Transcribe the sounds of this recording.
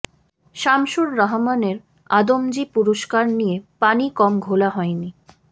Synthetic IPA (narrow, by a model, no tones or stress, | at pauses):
ʃamʃoɾːaɦmaneɾ | ad̪omd͡ʑipuɾoʃkaɾnijepanikɔmɡʱolaɦɔeni